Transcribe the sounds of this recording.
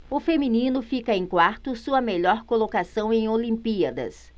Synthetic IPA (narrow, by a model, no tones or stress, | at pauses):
ʊfemĩnĩnʊfikɐẽj̃kwaɾt̪ʊsuɐmeʎɔɾkolokasɐ̃w̃ẽj̃olĩmpiɐd̪ɐ̰s